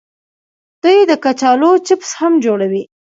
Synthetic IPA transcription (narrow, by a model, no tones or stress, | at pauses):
d̪̥ujd̪əkat͡ʃɑlot͡ʃɪpshamd͡ʒoɽawi